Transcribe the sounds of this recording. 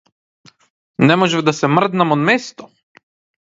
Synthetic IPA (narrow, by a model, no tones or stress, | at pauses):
nɛmɔʒɛvd̪asɛmr̩d̪namɔd̪mɛst̪ɔ̥